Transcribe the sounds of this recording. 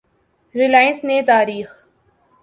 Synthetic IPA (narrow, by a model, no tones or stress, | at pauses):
ɾɪlaːjənsnet̪aːɾiːx